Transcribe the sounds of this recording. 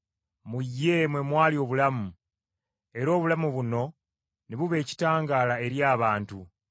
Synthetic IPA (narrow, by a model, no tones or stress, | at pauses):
mujːe̞mwe̞mwaːlio̞ːβulamu | e̞ɾo̞ːβulamuβuno̞ | neβuβe̞ːci̥taːŋɡaːlae̞ɾjaːβaːntu